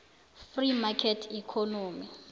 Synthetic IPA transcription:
frimakʰɛtʰikʰɔnoːmi

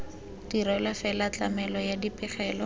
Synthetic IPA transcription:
d̥iɾɔlafɛlat͡ɬamɛlɔjadipʼɪχɛːlɔ

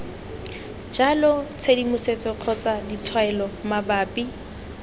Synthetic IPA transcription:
d͡ʒalʊt͡sʰedimʊset͡sʼɔq͡χʰɔt͡sadit͡sʰwaɛlɔmabaːpʼi

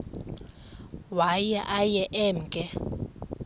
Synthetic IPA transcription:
wajaʔajɛʔɛm̩kʼɛ

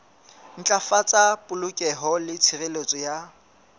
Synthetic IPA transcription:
n̩t͡ɬʼafat͡sʼapʼʊlʊkʼɛɦɔlɪt͡sʰirelet͡sʼɔja

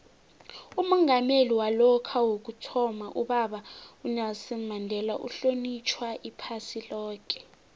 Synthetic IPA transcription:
umɔŋameliwalɔkʰawok̬utʰɔmaʔuɓaɓaunasɛmandʱɛlaʔṵɬonit͡ʃʰwaʔipʰasilɔːk̬ʼɛ̥

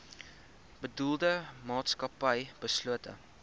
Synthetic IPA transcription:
b̥ədulˠdəmɑːtskɐpəjb̥əsluətə̰

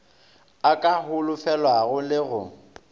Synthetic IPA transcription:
akʼaɦʊlʊfɛlwaɣʊlɪɣʊ

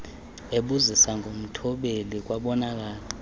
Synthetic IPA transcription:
eɓuzisaŋʱom̩tʰɔɓelik̬waɓɔnak̬aːla

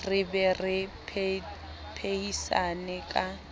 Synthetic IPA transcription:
rɪbɛrɪpʰ | pʰeisanɛkʼa

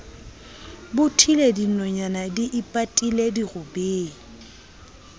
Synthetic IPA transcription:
bʊtʰiledinɔɲanadiʔɪpʼatʼilediɣʊbeːŋ̩

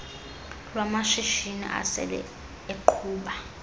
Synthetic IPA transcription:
lwamaʃiʃinḭʔa̰sɛ̰lɛ̰ | eǃʰuːɓa

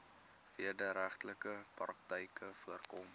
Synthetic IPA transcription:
viərdəɾæχtləkəprɑk̚təjkəfuərkɔm

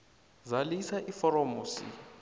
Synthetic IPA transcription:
zalisaʔifɔɾɔmusḭ

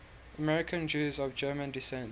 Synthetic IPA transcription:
ʔəmɛɹɪkʰə̃nd͡ʒʉːzɔvd͡ʒɜːmə̃ndɪsɛ̃n

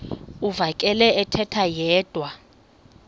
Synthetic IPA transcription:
uvakʼɛlɛɛtʰɛtʰajɛːd̥ʱwa

